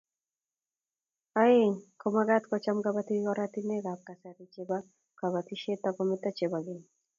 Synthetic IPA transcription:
aekomaɡat̪kɔt͡ʃamɡabat̪iɡɔɾat̪ineɡap̚kasaɾit͡ʃeba | kaβat̪iʃet̪ːakɔmit̪at͡ʃebaɡen

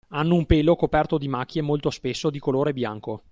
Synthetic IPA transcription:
anːoumpeːlokopɛrt̪od̪imak̟ʰʲːjemolt̪ospesːod̪ikoloːɾebja̰ŋko

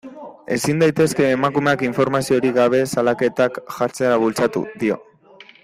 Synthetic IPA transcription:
e̞̰sind̪ajt̪e̞ske̞ːmakume̞akiɱfo̞ɾmasio̞ɾiɣaβ̞e̞salake̞t̪akʝaɾt͡seɾaβult͡sat̪ṵðio̞̰

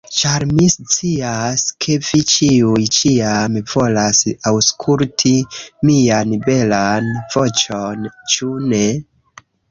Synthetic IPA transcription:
t͡ʃaɾmist͡siaskʰe̞vit͡ʃiujt͡ʃiamv̥o̞lasawskʰultʰimianbe̞lanv̥o̞t͡ʃont͡ʃune̞

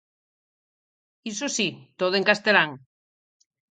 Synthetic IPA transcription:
isosit̪oð̞oeŋkast̪elaŋ

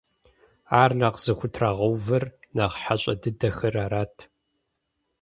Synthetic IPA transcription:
aːrnaːqz̥ɨxʷʊtʰraːʁɐwvɐrnaːʁħaɕʼɐ̰dɨdɐxɐraːɾaːtʰ

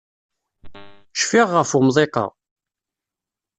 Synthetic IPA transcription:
ʃfiʁːəfʊmðˤeqɑ̰

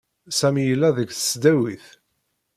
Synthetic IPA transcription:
sæmjəlːæðəkθə̥sd̪æwiθ

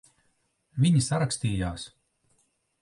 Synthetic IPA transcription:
vʲiɲisaɾaksʲt̪iːjaːs

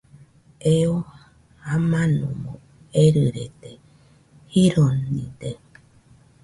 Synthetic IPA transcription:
eo | amãnũmõ̰ | eɾɨɾet̪e | hiɾonḭ̃d̪e

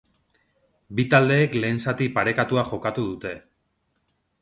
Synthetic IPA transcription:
bit̪ald̪e̞ːkle̞ːnsat̪ipaɾe̞kat̪uaxo̞kat̪uðut̪e̞

